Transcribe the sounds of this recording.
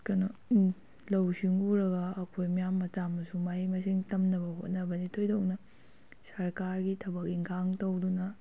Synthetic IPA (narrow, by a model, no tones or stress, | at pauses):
kɐnɐ | lɐwsiŋuɾɐɡɐːkʰojmɐjamːɐtamːɐsumaimɐs̬iŋtɐmnɐbɐɦot̚nɐbɐnitʰojdɐonɐ | sɐɾkaɾɡitʰɐbɐk̚iŋkʰaŋtɐwdunɐ